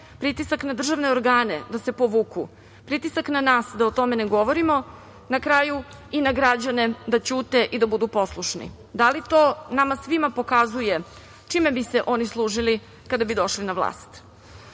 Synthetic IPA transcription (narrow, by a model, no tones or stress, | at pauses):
pɾit̪isaknad̪r̩ʒaʋne̞oɾɡaːne̞d̪ase̞poʋuːku | pɾit̪isaknanaːsd̪aot̪o̞meneɡo̞ʋo̞ɾimo̞ | nakɾaːju | inaɡɾad͡ʑane̞d̪at͡ɕuːt̪e̞ʔid̪abud̪upo̞slˠuʃnḭ | d̪alit̪oːnamasʋimapo̞kazuje̞ | t͡ʂime̞biseʔo̞nislˠuːʒili | kad̪abid̪o̞ʃlinaʋlˠa̰ːst̪